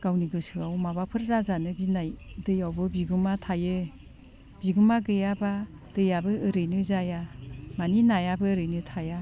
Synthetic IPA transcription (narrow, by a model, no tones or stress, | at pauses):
ɡ̥awniɡɯsɯawmabapʰɯɾzazanɯɡinajdɯjawbɯbiɡumatʰajɯ | biɡumaɡɯjaba | d̥ɯjabɯɯɾɯjnɯzajamaninajabɯɾɯjnɯtʰaja